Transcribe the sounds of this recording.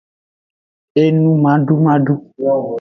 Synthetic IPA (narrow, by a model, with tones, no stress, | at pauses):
e˦nũ˦mã˨˦ɖu˦mã˦ɖu˦